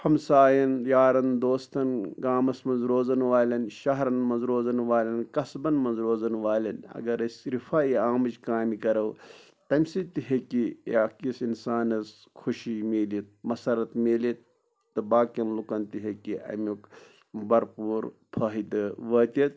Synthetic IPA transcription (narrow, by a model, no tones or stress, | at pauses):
hɐmsaːjɐnjaːɾɐnd̪oːst̪ɐnɡaːmɐsmɐ̃nzɾoːzɐnʋaːlʲɐnʃɐɦɾɐnmɐnzɾoːzɐnʋaːlʲɐnkɐsbɐnmɐnzɾoːzɐnʋaːlʲɐnɐ̰ɡɐɾɐsʲɾifaːiaːmɐt͡ʃkaːmikɐɾɐw | t̪ɐmʲsit̪iɦekiakisinsaːnɐs | kʰuʃimeːlit̪̚mɐsɐɾɐt̪meːlit̪̚ː | ɨbaːkɐnlukɐnt̪iɦekiɐ̰muk | bɐɾpuːɾpʰɐːɦid̪ɨʋɐːt̪ɐt̪̚